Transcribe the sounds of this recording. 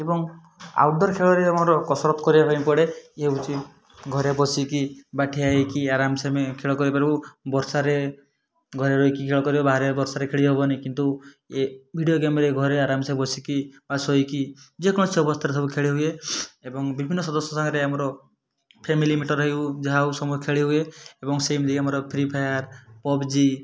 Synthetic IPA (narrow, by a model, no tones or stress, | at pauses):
ebɔŋ | a̰wɖɔɾkʰeɭɔɾeamɔɾɔkɔsɔɾɔt̪kɔɾibapajmpɔɽeeɦeut͡ʃʰi | ɡʱɔɾebɔsikibaʈʰiaikiaɾamsemekʰeɭɔkɔɾipaɾibubɔɾsaɾe | ɡʱɔɾeɾɔjkikʰeɭɔkɔɾibabaɦɾebɔɾsaɾekʰeɭiɦobɔnikint̪u | ebʱiɖijoɡemɾeɡʱɔɾeaɾamsebɔsikibasɦɔjkid͡ʒekɔɽ̃ɔseɔpɔst̪ʰaɾesɔbukʰeɭiɦueebɔŋbibʱinːɔsɔd̪ɔsɔsɔŋɡɾeamɔɾɔ | pʰemilimiʈɔɾɔɦiud͡ʒaɦausɔmuekʰeɭiɦueebɔŋsemd̪iamɔɾɔpʰɾipʰajaɾpɔbd͡ʒi